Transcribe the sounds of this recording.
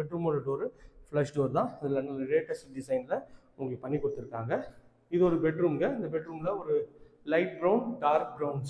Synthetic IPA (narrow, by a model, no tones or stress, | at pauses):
ɛʈɾuːmɔnɐʈːɯɔɾɯflɐʂʈɐɾt̪ãːɪðɯlɐnːɐlɾeːʈːɐsʈ̚ɖɪsɐɪnɪlɐ | ʊŋɡɐpɐɳːikːɔɽɯt̪ːɪɾɯkːaːŋɡɐ | ɪðɯɔɾɯbɛʈɾuːmɡɐɪnd̪ɐbɛʈɾuːmlɐɔɾɯ | lɐɪʈ̚ɡɾɐʊɳɖaːɾkɡɾɐʊns